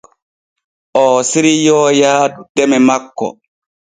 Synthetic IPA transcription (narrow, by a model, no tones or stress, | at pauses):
ʔɔːsiɾijɔːjaːdɛmɛmakːɔ̰